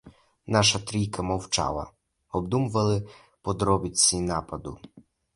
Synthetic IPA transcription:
nɑʃɐt̪ɾʲijkɐmɔwt͡ʃɑ̰lˠɐ̰ | ɔbd̪umʊʋɐlˠɪ | pɔd̪ɾɔbʲɪt͡sʲːinɑpɐd̪ʊ̰

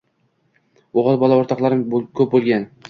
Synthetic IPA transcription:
oʁɑlˠbɒlˠaoɾt̪ʰɑqlˠaɾɪmkʲʰɵp̚bolˠɡʲan

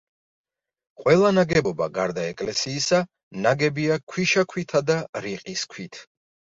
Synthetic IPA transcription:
qʼwɛlˠanaɡɛbɔba̰ɡa̰ɾd̪aɛkʼlɛsiːsa | naɡɛbiakʰwiʃakʰwit̪ʰad̪aɾiqʼiskʰwit̪ʰ

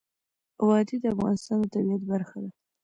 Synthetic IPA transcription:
wɑd̪id̪əafɣɑ̰nɪst̪ɑnd̪ət̪abiat̪baɾxad̪a

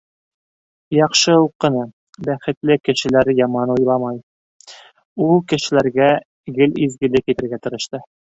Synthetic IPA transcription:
jɑqʃɤuqːɤ̆nɑ | bæχɘ̆t̪lɘkɘ̆ʃɘ̆læɾjɑmɑnujlˠɑmɑj | ulˠkɘ̆ʃɘ̆læɾɡæ | ɡɘlizɡɘ̆lɘkit̪ɘ̆ɾɡæt̪ɤ̆ɾɤ̆ʃt̪ɤ

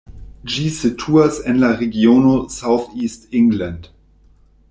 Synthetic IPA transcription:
d͡ʒiːsetʰuːɐsɛnlaʁeɡjoːnosaʊθiːstɪŋɡlant

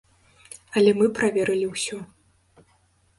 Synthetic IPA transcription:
ɐlʲɛmɨpɾavʲɛɾɨlʲiwsʲɔ

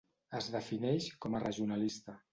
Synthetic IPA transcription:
əzðəfinɛʃkɔmərəʒiunalist̪ə

